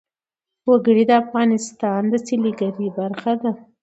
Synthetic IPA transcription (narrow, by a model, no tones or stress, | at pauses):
waɡəɽid̪əafɣɑnɪst̪ɑnd̪əsiliɡaɾibaɾxad̪a